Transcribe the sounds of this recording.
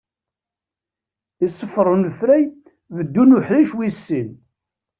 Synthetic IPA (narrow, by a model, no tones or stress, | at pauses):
isˤːəfːɾˤʊnlfɾæj | vəd̪ːunʊħliʃwisːin